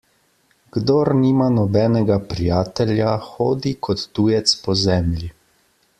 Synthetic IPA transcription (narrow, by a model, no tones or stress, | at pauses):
ɡ̥d̪oːɾniːmanɔbɛːnɛɡapɾijaːt̪ɛljaxoːd̪ikʰɔt̪ːuːjɛt̪spɔzɛːmlʲi